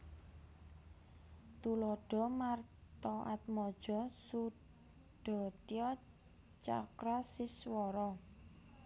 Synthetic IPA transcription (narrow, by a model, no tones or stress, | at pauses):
t̪ulɔɖ̥ɔ̤mart̪ɔʔa̰t̪̚mɔd̥ʒ̥ɔ̤su | ɖ̥ɔ̤t̪iɔ | t͡ʃa̰kɾasiswɔɾɔ